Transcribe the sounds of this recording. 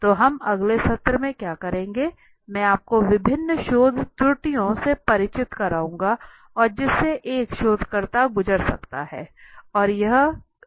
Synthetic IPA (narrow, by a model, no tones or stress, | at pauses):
t̪oːɦɐmɐɡlesɐt̪ɾəmẽkjaːkɐɾẽːŋɡeː | mɛ̃ːaːp̚koʋɪbʱɪnːəʃoːd̪ʱt̪ɾʊʈijõsepɐɾɪt͡ʃɪt̪kɐɾaːũːŋɡa | ɔːɾd͡ʒɪsːeʔeːkʃoːd̪ʱkɐɾt̪aɡʊd͡ʒəɽsɐ̰kt̪a̰ɦɛ̰ːɔːɾjɐɦ